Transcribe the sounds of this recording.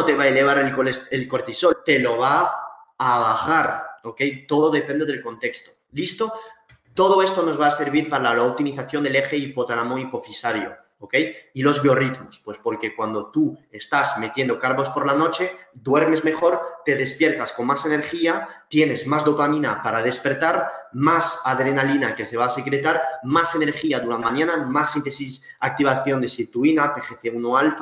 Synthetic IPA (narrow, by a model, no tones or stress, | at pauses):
ot̪e̞βaele̞β̞aɾelkoselkoɾt̪iso̞lt̪e̞lo̞β̞a | aβaχaɾoke̞jt̪o̞ð̞o̞ðepend̪e̞ðe̞lko̞nt̪e̞kst̪o | list̪o̞ | t̪o̞ð̞oe̞st̪o̞no̞zβaːse̞ɾβiɾpaɾalaloop̚t̪imiθaθjo̞nd̪eleχeipot̪aɾamoipofisaɾjo̰ | oke̞jilo̞zβjorit̪mospwe̞spo̞ɾke̞kwand̪o̞t̪ue̞st̪azme̞t̪je̞nd̪okaɾβo̞spo̞ɾlano̞t͡ʃe̞d̪we̞ɾme̞zme̞χo̞ɾt̪e̞ðe̞spje̞ɾt̪asko̞nmase̞ne̞ɾχiat̪je̞ne̞zmazdopamĩnapaɾað̞e̞spe̞ɾt̪aɾmasaðɾenalinakese̞β̞aːsekɾet̪aɾmase̞ne̞ɾxiaðuɾaaɲanamasːint̪esis | ak̚t̪iβ̞aθjo̞nd̪esiɾt̪uinat̪eχeθeunoalf